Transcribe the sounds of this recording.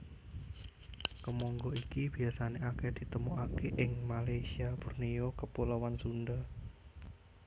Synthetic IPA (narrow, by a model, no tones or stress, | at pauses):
kəmɔŋɡɔikib̥i̤asaneaked̪̥i̤t̪əmuʔakeʔɪŋmalajsiaburnijokəpuləwansund̪a